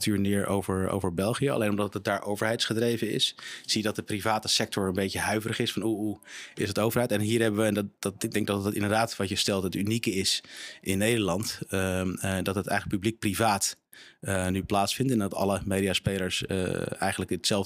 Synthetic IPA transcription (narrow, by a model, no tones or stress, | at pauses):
tʰyːɹnɪːɹo̰wvəɹo̰wvəɹbɛlˠχijəɑ̰lejnɔmdɑtət̚daːɹʔowvəɹɦɛjtsχədrejvəɪ̰sz̥ijədɑt̚dəprivaːtəsɛk̚tʰɔɹənbejcəɦœɥvərəχɪsfɑnɦuɦuɪsɦətowvəɹɦɛjtɛnɦiːɹɦɛbəʋəɛndɪɡ̚dɛŋɡ̚dɑttɪ̰ndəɹdaːtʋɑtjəstɛlˠtɦətynikəɪsʔɪnːejdəɹlɑnt | dɑtɦətɛ̰jχələkpyblik̚privaːt | ənyplaːtsfɪntɛndɑtɑ̰ləmejdiaspejləɹsə̰ɛ̰jχənləkətsɛlˠv